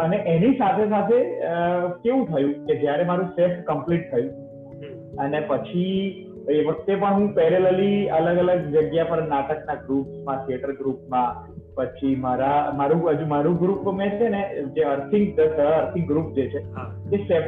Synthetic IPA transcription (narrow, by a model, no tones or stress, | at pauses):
əneʔenisat̪ʰes̬at̪ʰeəkeʋũt̪ʰəjũked͡ʒjaɾemaɾũsefkəmpliʈ̚t̪ʰəjũ | ənepət͡ʃʰi | eʋək̚t̪epəɳɦũpɛɾeləliələɡələɡd͡ʒəɡjapəɾnaʈəknaɡɾupsmãt̪ʰijəʈəɾɡɾupmã | pət͡ʃʰimaɾamaɾũɦəd͡ʒũmaɾũɡɾupmẽt͡ʃʰened͡ʒeəɾt̪ʰɪ̃ŋɡt̪əsəəɾt̪ʰɪ̃ŋɡɡɾup̚d͡ʒet͡ʃʰeɦ̪ | esef